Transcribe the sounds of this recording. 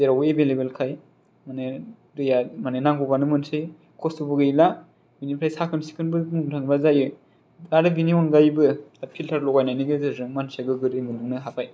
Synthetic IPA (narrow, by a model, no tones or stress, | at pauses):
zeɾawɯebelebelkʰaj | mane | ɾɯjamanenaŋɡubanɯmɯnsɯj | kʰɔsubɯɡɯjla | binipʰɾajsakʰɯnsi̥kʰɯnbɯmuŋtʰɯŋbazajɯ | aɾɯbiniɔnɡajbɯapʰiltʰaɾlɔɡajnajniɡɯzɯzɯŋmansaɡɯɡɯɾɯjmɯnuŋnɯɦapʰaj